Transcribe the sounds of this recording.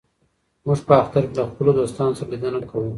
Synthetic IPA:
muʐpəaxt̪aɾkelaxpəlod̪ost̪ɑnosəɾalid̪ənakʰawu

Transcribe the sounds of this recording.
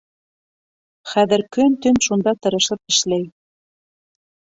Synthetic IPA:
xæðɘ̆ɾkønt̪ɵnʃund̪ɑt̪ɤ̆ɾɤ̆ʃɤ̆p̚ɘ̆ʃlej

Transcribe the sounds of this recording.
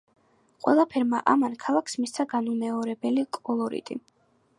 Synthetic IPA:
qʼwɛ̰lˠapʰɛɾmaʔamankʰalˠakʰsmist̪sʰaɡanumɛɔɾɛbɛlikʼɔlˠɔɾḭt̪ʼḭ

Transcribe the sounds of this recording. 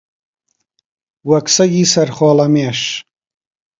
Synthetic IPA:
wɐksɐɡisɐɾχɔːlɐmeːʂ

